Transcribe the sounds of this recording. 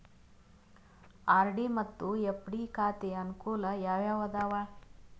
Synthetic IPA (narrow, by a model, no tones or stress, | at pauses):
aːɾɖimɐt̪ːuepɽikaːt̪eɐnukuːlɐjaːʋjaːʋɐd̪aːʋaː